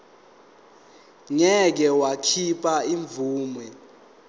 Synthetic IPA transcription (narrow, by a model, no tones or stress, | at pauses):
ŋɛk̬ɛwakʰipʰʼaiɱbvuːmwɛ